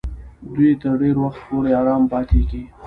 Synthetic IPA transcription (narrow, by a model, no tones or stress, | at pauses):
d̪wit̪əɾɖeɾwaxt̪̚poɾeɑɾɑːmpɑt̪eɡi